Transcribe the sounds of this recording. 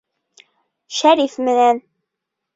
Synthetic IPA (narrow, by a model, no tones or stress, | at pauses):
ʃæɾifmɘ̆næn